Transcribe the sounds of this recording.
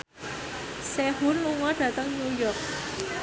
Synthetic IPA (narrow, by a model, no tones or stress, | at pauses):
sehunluŋɔd̥ä̤t̪əŋɲujɔrk̚